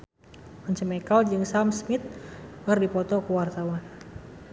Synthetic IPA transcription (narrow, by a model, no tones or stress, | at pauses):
mɔɲt͡ʃəmɛkald͡ʒɨŋsamsmɪt̪̚kərdipɔt̪ɔkəwart̪awan